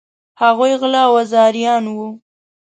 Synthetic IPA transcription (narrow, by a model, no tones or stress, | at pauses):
haɣujɣlɑwazɑɾijɑnwu